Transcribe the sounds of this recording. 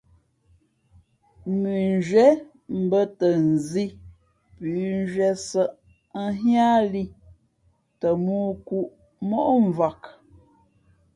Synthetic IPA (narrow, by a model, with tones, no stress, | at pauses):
mi˨nd͡ʒɥɛ˦ | m̩˨bə˦tə˨n̩˨zi˦ | pʉ˨˦n˦d͡ʒɥɛ˦sə˦ʔ | ə˦ɦjaː˦li˦ | tə˨muː˦ku˦ʔ | mɔ˦ʔɱ˨va˨k